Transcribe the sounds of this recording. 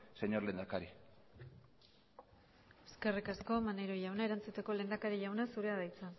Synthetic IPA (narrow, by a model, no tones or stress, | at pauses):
seɲo̞ɾlend̪akaɾi | e̞̥ske̞rikasko̞maneɾo̞jawnae̞ɾant͡sut̪eko̞le̞nd̪akaɾiʎawnasuɾe̞aðajt͡sa